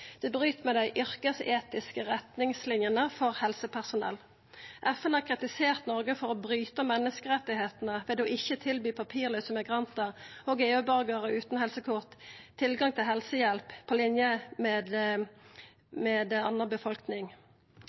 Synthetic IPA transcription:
d̪̥ɛːbʁyːt̪mɛɪd̪æɪʔʏʁkəseːt̪ɪskəʁɛt̪nɪŋslɪnjənəfɔʁhɛlsəpʰæʁsʊnɛ̰l | ʔɛfɛnɑkʰʁɪt̪ɪseːʁt̪nɔʁɡəfɔɾɔbʁyːt̪əmɛnːəskəʁɛt̪ːɪheːt̪nəʋɛd̪oːʔɪçət̪ʰɪlbyːpʰɑpʰiːʁlœːsəmɛɡʁɑnt̪əʁoːɡeːʉbɑʁɡəʁəʉːt̪nhɛlsəkʰʊʁt̪t̪ʰːɪlɡɑŋt̪ʰɪlɦɛlsəjɛlppʰːolɪnjəmɛːd̪ | mɛːd̪ɑnəʁbəfɔlknɪŋ

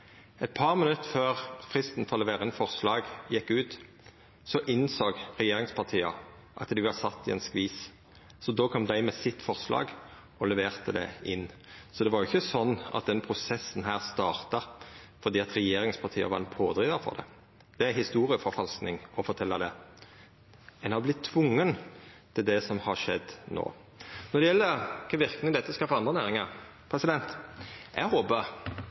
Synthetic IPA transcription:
ɛt̪̚pʰɑːʁmənʉt̪ːføːʁfʁɪst̪n̩fɔʁlɛʋeːʁənfɔʁslɑːɡjɛkːʉːt̪ | sɔʔɪnsoːɡʁɛjeːɾɪŋspʰɑʁt̪ʰiːɑ | ʔɑt̪d̪ɪʋɑsɑt̪ːɪɛ̰nskʋiːs | sɔd̪oːkʰɔmd̪æɪmɛsɪt̪ːfɔʁslɑ̰ːɡ | ɔlɛʋeːʁt̪əd̪ɛ̰ɪnːsɔd̪ɛʋɑɾjʊɪçːəsɔnːɑ̰t̪̚d̪ɛnpʰʁʊsɛsːnɦæːʁst̪ɑːʁt̪ɑ | fɔd̪iːɑt̪ɾɛjeːɾɪŋspʰɑt̪ʰiːə̰ʋɑɾɛnpʰoːd̪ɾiːd̪əfɔ̰ɾd̪ɛ̰ | d̪̥ɛæhɪst̪uːɾɪəfɔɾfɑlsknɪŋɔfɔt̪ʰɛlːɑd̪ɛ | ɛnhɑɾblɪt̪ʰːʋʊŋːənt̪ʰɪld̪ɛsɔmhɑʂɛd̪ːno̰ː | nɔd̪ɛjɛlːəkʰɑʋɪɾknɪŋd̪ɛt̪ːəskɑfɑɾɑnd̪ʁənæːɾɪŋɑʁ | pʰʁɛsɪd̪ɛnt̪ʔæ̰ɡhoːbə

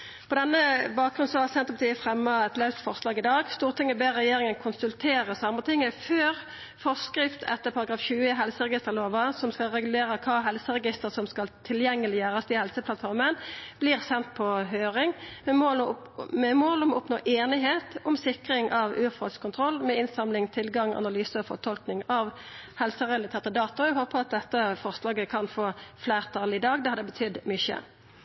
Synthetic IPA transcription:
pʰɔd̪ɛnːəbɑːk̚ɡʁʉnsɔhæʁsɛnt̪əpʰɑt̪iːəfɾɛmːəɛt̪lɑʉt̪fɔʁslɑːɡɪd̪ɑːɡst̪uːʁt̪ʰɪŋːəbeːʁɛjeːʁɪŋənkʰʊnsʉlt̪ʰeːʁəsɑmːət̪ʰɪŋːəføːʁ | fɔskɾɪft̪ʰɛ̰t̪ːəʁpʰɑɾɑɡɾɑːfɕʉːəɦɛlsəʁɛɡɪst̪əʁloːʋɑsɔmskɑlʁɛɡʉleːʁəkʰɑːɦɛlsəʁɛɡɪst̪əʁsɔmskɑlt̪ʰɪljɛŋːəlɪjøːʁəsd̪ɪhɛlsəplɑt̪fɔʁmənb̥lɪʁsɛnt̪̚pʰɔɦøːɾɪŋmɛmo | mɛmoːlɔmʊpno̰ːʔeːnɪɦeːt̪ʊmsɪkʁɪŋʔɑʋʉːʁfɔ̰lskʰʊnt̪ʰʁɔlːmɛɪnsɑmlɪŋt̪ʰɪlɡɑŋɑ̰nɑlyːsəɔfɔ̰ʁt̪ʰɔlknɪŋɑʋ | hɛlsəʁɛlɑt̪ʰeːʁt̪əd̪ɑːt̪ɔɔæɪɦoːpəʁɑt̪̚d̪ɛt̪ːəfɔʁslɑːɡəkʰɑnfoːfleːʁt̪ʰɑlɪd̪ɑːɡd̪ɛhɑd̪ɛbət̪ʰʏd̪ːmʏçə̰

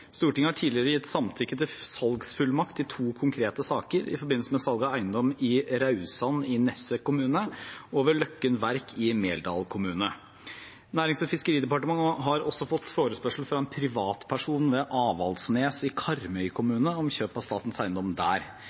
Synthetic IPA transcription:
st̪uːʈɪŋəhɑʈʰiːd̪lɪəɾəjɪt̪ːsɑmt̪ʰɪkːət̪ɪlsɑlɡsfʉlmɑkt̪ɪlt̪ʰuːkʰʊŋkʰɾeːt̪əsɑːkəɾɪ̰fɔɾbɪnlsəmɛsɑlɡɑæɪənd̪ɔmɪɾɑʉsɑnɪnɛsəkʰʊmʉːnəoːʋəɭœkːənʋæɾkʰɪmeːld̪ɑ̰ːlkʰʊmʉːnə | næːɾɪŋsɔfɪskəɾiːd̪ɛpɑʈəmɑŋɦɑɾɔsːɔfɔt̪ːfoːɾəspœʂl̩fɾɑɛnpʰɾɪʋɑːt̪pʰæʂuːnʋɛʔɑːʋɑ̰lsneːsɪkʰɑɾmœʏkʰʊmʉːnəɔmçøːpɑʋst̪ɑːt̪n̩sæɪənd̪ɔmd̪æ̰ːɾ

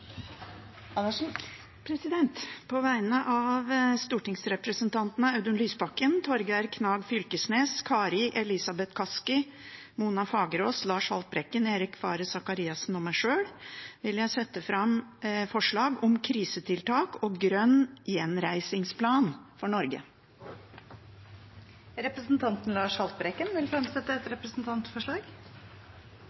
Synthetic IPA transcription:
ɑ | pʰɾɛsɪd̪ɛnt̪pʰɔʋæɪnəʔɑʋst̪uːʈɪŋsɾɛpɾəsənt̪ʰɑnt̪nəɑʉd̪ʉnlyːsbɑkːənt̪ʰɔɾɡæɾkʰnɑːɡfʏlkəsneːskʰɑːɾɪʔɛlɪsɑbɛt̪kʰɑskɪ | muːnɑfɑːɡəɾoːslɑːʂhɑ̰lt̪̚bɾɛkːəneːɾɪkfɑ̰ːɾəsɑkɑɾiːɑsn̩ɔmæɪʂøːɽʋɪljæɪsɛt̪ːəfɾɑmfɔʂɭɑːɡɔmkʰɾiːsət̪ʰɪlt̪ʰɑːkoːɡɾœnːjɛnɾæɪsɪŋspʰlɑːnfɔɳɔɾɡə̰ | ɾɛpɾəsnt̪ʰɑnt̪n̩lɑːʂhɑlt̪̚bɾɛkːənʋɪlfɾɛmsɛt̪ːəɛt̪ɾɛpɾəsnt̪ʰɑnt̪fɔʂɭɑːɡ

